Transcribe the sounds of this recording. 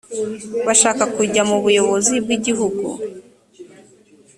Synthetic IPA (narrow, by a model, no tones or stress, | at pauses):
βaʃaːkakuɟamuβujo̞βo̞zib̚ɡiɟiɦuɡṵ